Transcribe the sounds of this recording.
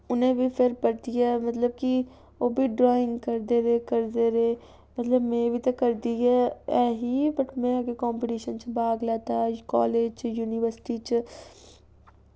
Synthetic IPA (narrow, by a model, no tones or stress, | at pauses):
ʊnɦẽbʱipʰɪɾpɐɽt̪ijaːmɐt̪ləb̚ki | oːbʱiɖɾɔːɪ̃ŋɡkɐɾd̪eɾekɐɾd̪eɾeː | mɐt̪ləbmɛ̃bʱit̪ɐkɐɾd̪iaɛːɦibɐʈmɛ̃akekɔːmpɪʈiːʃənt͡ʃbʱaːɡlaːt̪akɔ̰ːleːd͡ʒjuːnɪʋəɾsɪ̥ʈit͡ʃ